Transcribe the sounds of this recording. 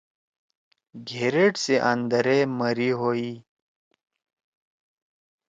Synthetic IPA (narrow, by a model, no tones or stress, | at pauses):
ɡʱeːɾeʈseʔɐ̃nd̪əɾeməɾiɦoːiː